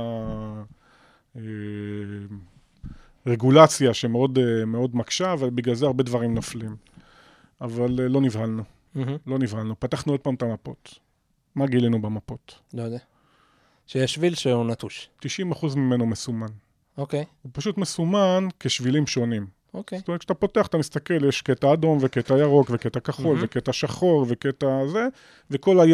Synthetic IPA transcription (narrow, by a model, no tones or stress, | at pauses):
a | e | ʁeɡulat͡sjaʃemeo̞demeo̞dmakʃaːvalbiɡlalzeaʁbe̞dvaʁimnoflim | avalːo̞nivhalnu | h̩lo̞nivhalnupataχnuod̚paːmt̪amapo̞t | maɡilinubemapo̞tlojd̪ea | ʃejeʃvilʃeunat̪uʃt̪iʃimaχuzmime̞nomesuman | okejupaʃut̪mesumankeʃvilimʃo̞nim | okesttomekʃat̪apo̞teaχat̪amistake̞ljeʃketaːdo̞nveke̞tajaʁo̞kveke̞t̪akaχolveketaʃaχo̞ʁveketaze | ve̞ko̞laj